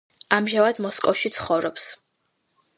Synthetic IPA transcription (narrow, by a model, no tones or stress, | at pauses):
amʒavad̪mɔskʼɔfʃit̪sʰχɔvɾɔps